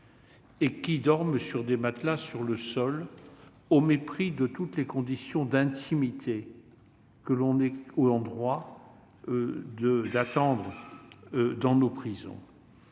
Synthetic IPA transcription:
ekʲid̪ɔʁmsyʁd̪emat̪lasyʁləsɔl | omepχid̪ət̪ut̪lekɔ̃d̪isjɔ̃d̪ɛ̃t̪ʰimit̪ʰe | kəlɔ̃nɛoɑ̃d̪ʁwa | d̪əd̪at̪ɑ̃d̪ʁ | d̪ɑ̃nopχizɔ̰̃

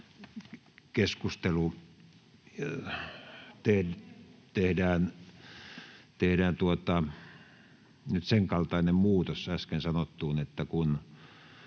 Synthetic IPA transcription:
keskust̪elu | t̪eht̪ehdæːn | t̪ehdæːnt̪uot̪ɑ | nyt̪seŋkɑlt̪ɑˑinemmuːt̪osæskensɑnot̪ːuːnet̪ːækun

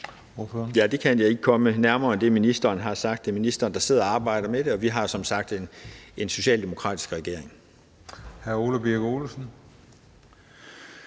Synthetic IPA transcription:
oføjæd̥e̝kʰænjɑ̈ɪe̝ɡ̥əkʰɒ̽mənæɐmɐːnd̥e̝minisd̥ɐːnɦɑ̈sɑ̈ɡ̥d̥ːeminisd̥ɐːnd̥ɑ̈se̝ð̞̰ˠɐɑ̈ːb̥ɑ̈ɪ̰d̥ɐmed̥eɒ̽ʋiɦɑ̈sɒ̽msɑ̈ɡ̥̚d̥ene̝nso̝ɕɛ̰ːld̥emo̝kʰʁɑ̰̈ːd̥i̥sɡ̥ʁɛɡ̥e̝ɐ̰e̝ŋ | hæɐo̝lɐb̥iɐɡ̥oːlsn̩

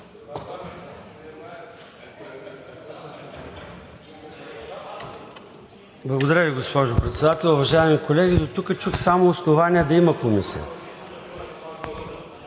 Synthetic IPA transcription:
blˠɐɡod̪ɐɾʲəviɡospɔʒʊpɾɛt̪sɛd̪at̪ɛlˠʊvɐʒaɛmikolɛɡʲid̪ot̪ukət͡ʃuxsamoːsnovanʲiɛd̪ɐimɐkomisḭə̰

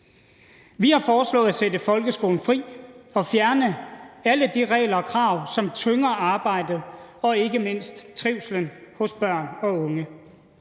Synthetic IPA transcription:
ʋihɑ̈fɒːslɔ̰̽ːð̩ˠæsedəfɒ̽lɡ̥əsɡ̥o̝ːln̩fʁḭːɒ̽fjæɐnəæləd̥iʁɛ̰ːɪlɐɒ̽kʰʁɑ̈ʊ̰sɒ̽mt͡sʰøŋɐʔɑ̈ːb̥ɑ̈ɪ̰d̥ð̩ˠɒ̽e̝ɡ̥əme̝n̰sd̥t͡sʰʁiʊslənhɔ̽sb̥ɶɐ̰nɒ̽ɔ̽ŋə

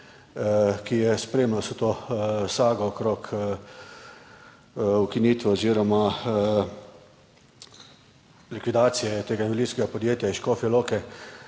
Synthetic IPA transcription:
kijɛspɾeːmlɔsɛt̪oːsaːɡɔːkɾok | ukiniːt̪ʋɛɔziːɾɔma | likʋid̪aːt̪sijɛt̪eːɡainʋilinskɛɡapɔd̪jeːt̪jaiʃkoːfjɛloːkɛ

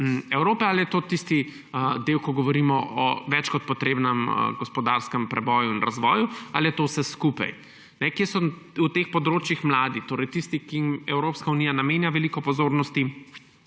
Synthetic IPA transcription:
m̩ɛwɾoːpɛaljɛt̪oːt̪ist̪i | əd̪ewkɔɡɔʋɔɾiːmɔʔɔ̰ʋɛt͡ʃkɔt̪̚pɔt̪ɾeːbnɛmə̰ɡɔspɔd̪aɾskəmpɾɛbɔːjuinɾazʋɔːjualijɛt̪owsɛskupa̰j | nɛkjeːsɔ | ut̪expɔd̪ɾoːt͡ʃjixmlaːd̪it̪oːɾɛjt̪ist̪ikiimɛwɾopskaunijanameːnjaʋɛlikɔpɔzoːɾnɔst̪i

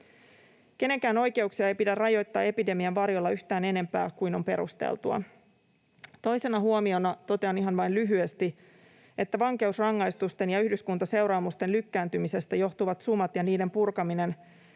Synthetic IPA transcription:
k̟e̞ne̞ŋkæːno̞jke̞uksiɑe̞jpidærrɑjo̞jt̪ːɑːe̞pide̞miɑʋʋɑɾjo̞lːɑyçt̪æːne̞ne̞mpæ̰ːkujno̞mpe̞ɾṵst̪ḛlt̪uɑ̰ | t̪o̞jse̞nɑɦuo̞mio̞nɑt̪o̞t̪eɑniɦɑnʋɑjnlyɦyest̪i | e̞t̪ːæʋɑŋk̟e̞usrɑŋːɑjst̪ust̪e̞njɑyhdyskunt̪ɑse̞wɾɑːmust̪e̞nlykːæːnt̪ymise̞st̪æjo̞ht̪uʋɑt̪sumɑt̪jɑniːde̞mpurkɑmine̞n

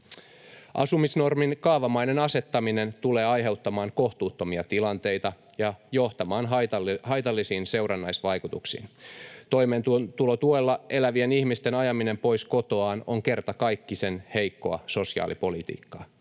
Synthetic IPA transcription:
ʔɑ̰sumisno̞rminkɑːʋɑmɑjne̞nɑse̞t̪ːɑmine̞nt̪ule̞ːɑjɦe̞wt̪ːɑmɑːŋko̞ht̪uːt̪ːo̞miɑt̪ilɑnt̪e̞jt̪ɑ | jɑjo̞ht̪ɑmɑːnɦ̪hɑjt̪ɑlːisiːnse̞wrɑnːɑjsʋɑjkut̪uksḭːnt̪o̞jment̪t̪ulot̪uelːɑe̞læʋienihmist̪e̞nɑjɑmine̞mpo̞jsko̞t̪o̞ɑːno̞̰ŋke̞rt̪ɑkɑjkːise̞nhe̞jkːo̞ɑ̰so̞siɑ̰ːlipo̞lit̪ḭːkːɑ̰ː

